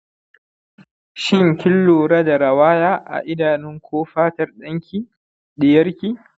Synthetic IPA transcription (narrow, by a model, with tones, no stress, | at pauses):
ʃɪ˦ŋkʲɪ˦lːoː˨ɽɐ˦da˨ɾɐ˨waː˦jaː˦ʔa̰˨ʔɪ˦daː˨nɪ˦ŋkʰʷoː˦ɸaː˦tɐ˨rɗɐ˦ŋkʲi˦ | ɗɪ˨jɐ˦rkʲiː˦